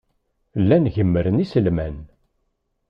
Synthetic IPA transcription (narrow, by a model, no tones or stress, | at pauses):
lːænʝəmːəɾənisəlmæn